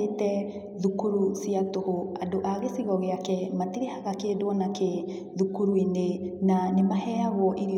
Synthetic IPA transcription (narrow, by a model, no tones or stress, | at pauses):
etɛ | ðukuɾusiatohoadoʔaɣesiɣɔɣeakɛmatiɾehaɣakedwɔnake | ðukuɾuinenanemahɛaɣwɔʔiɾi